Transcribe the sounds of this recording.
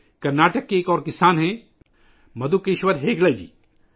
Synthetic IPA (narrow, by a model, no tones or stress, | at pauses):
kɐɾnaːʈəkːeːkɔːɾkɪsaːnɦɛ̃ | mɐd̪ukeʃʋəɾɦeːɡlad͡ʒḭː